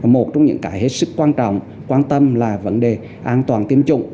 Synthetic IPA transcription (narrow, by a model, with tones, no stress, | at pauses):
a˨˩mo˨˩t̚t͡ɕɔ˧wŋ͡mɲɨ̰˧˥ŋkaː˧˦jhe˦˥t̚sɨ˦˥kːwaː˧nt͡ɕɔ̰˧˨wŋ͡m | kwaː˧nt̪ə˧mlaː˨˩və̰˧˥nɗe˨˩ | ʔaː˧nt̪waː˨˩nt̪i˧əmt͡ɕʊ̰˧˨ŋ͡m